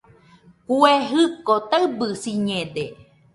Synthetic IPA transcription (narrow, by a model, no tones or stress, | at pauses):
kueɦɨkot̪aɨbɨsiɲẽd̪e